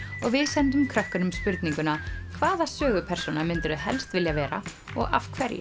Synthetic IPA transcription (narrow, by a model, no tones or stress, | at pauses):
ɔɣvɪðsɛnt̪̬ʏmkʰɾœhkʏnʏmspʏɾt̪niŋkʏnakʰvaːðasœːɣʏpʰɛɾ̥sunamɪnt̪ʏɾʏɦɛ̰lst̪vɪljavɛːɾa̰ | ɔ̰ɣa̰vkʰvɛɾjɪ̰